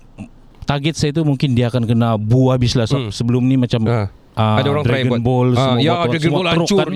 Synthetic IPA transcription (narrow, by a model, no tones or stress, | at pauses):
t̪aɡɛt̪̚sait̪umuŋkɪndiaːkankənabuabislasamsəbəlʊmnimat͡ʃam | ʔəadaoɾaŋd̪ɾaaɡənbɔlsəaɾɛɡəmuoləɾukt͡ʃka